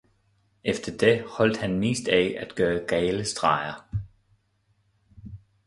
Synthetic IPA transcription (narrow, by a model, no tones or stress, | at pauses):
efd̥ɐd̥ehɒ̽l̰d̥hænmḛːsd̥ɛɪæd̥ɡ̥ɶːɐɡ̥ɛɪləsd̥ʁɑ̈ɪɐ